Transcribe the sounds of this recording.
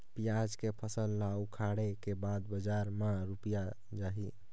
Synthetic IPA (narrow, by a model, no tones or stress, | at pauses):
pijad͡ʒkepʰəsəlːaukʰaɽekebad̪bəd͡ʒaɾmãɾupija | d͡ʒaɦi